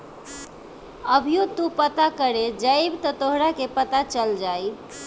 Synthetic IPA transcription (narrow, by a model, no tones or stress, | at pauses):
əbʱijot̪upət̪akəɾed͡ʒajbt̪ət̪oɦɾakepət̪at͡ʃəld͡ʒaj